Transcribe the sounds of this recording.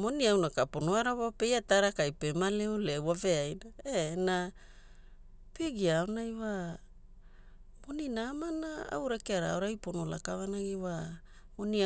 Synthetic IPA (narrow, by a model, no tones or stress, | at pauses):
mo̞niawnakapo̞noaɾawape̞jataɾakajpe̞maleulewave̞ajdaena | peɡiaonajwa | mo̞ninaːmanaa̰wɾakeaɾa̰oɾajpo̞no̞la̰kavanaɡiwa | mo̞nia